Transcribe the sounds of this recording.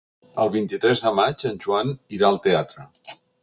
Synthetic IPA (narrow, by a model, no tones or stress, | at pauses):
əlˠβint̪it̪ɾɛzðəmad͡ʒənʲʒuaniɾaəlˠt̪eat̪ɾə